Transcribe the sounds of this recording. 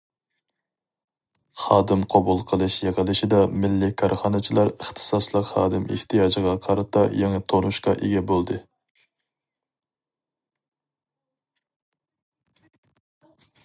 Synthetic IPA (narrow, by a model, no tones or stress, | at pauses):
χɑːd̪ɨmqʰɑbulˠqʰəlˠɨʃjeʁəlˠɨʃɪd̪ɑmɪlːɪkʰɑɾχɑnɨt͡ʃʰilˠɑɾəχt̪ʰɨ̥sɑslˠəqχɑ̰ːd̪ɪmɪ̰ht̪ʰijɑːd͡ʒəʁɑqʰɑɾɨt̪ʰɑjeŋɨt̪ʰoɾnuʃqɑʔeɡʲɛbolˠd̪ɨ